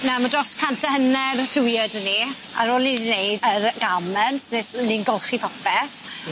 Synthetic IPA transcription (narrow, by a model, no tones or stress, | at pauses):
namədrɔskʰantʰəhənɛrθujədəni | a̰ɾoːlˠnidinejdərɡamɛnsnesninɡɔlˠχipʰɔpɛθ